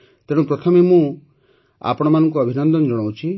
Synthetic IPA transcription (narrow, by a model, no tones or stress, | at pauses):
t̪eɽũpɾɔt̪ʰɔmemũ | a̰pɔɽ̃ɔmanɔŋk̬uɔbʱinɔnd̪ɔnd͡ʒɔɽ̃aw̃t͡ʃʰi